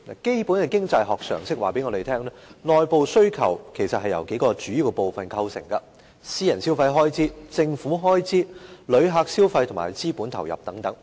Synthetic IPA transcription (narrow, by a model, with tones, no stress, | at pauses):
na̰ː˨˩ke˥jpuː˨˥nkɐ˨kɪ˥ŋt͡sɐ˧jɦɔː˨k̚sœ̰ː˨˩ŋsɪ˥k̚wa̰ː˨˩pe˨˥jŋɔː˨˧te˨jt̪ʰɛː˥ŋlɛː˥nɔː˨jpo˨˧wsɵ˥ɥkʰɐ̰˨˩wkʰe˨˩jsɐ˨t̚hɐ˨jɐ̰˨˩wke˨˥jkɔː˧t͡ʃyː˨˥ji˨˧wkɐ˧po˨wfɐ˨nkʰɐ˧wsɪ̰˨˩ŋkɐ˧ | siː˥jɐ˨˩nsiː˥wfɐ˧jɦɔː˥jt͡siː˨˥t͡sɪ˧ŋfuː˨˥ɦɔː˥jt͡siː˥lɵ˨˧ɥɦaː˧k̚siː˥wfɐ˧jt̪ʰʊ˨˩ŋmaː˨˩jt͡siː˥puː˨˥nt̪ʰɐ˨˩wjɐ˨p̚t̪ɐ˨˥ŋt̪ɐ˨˥ŋ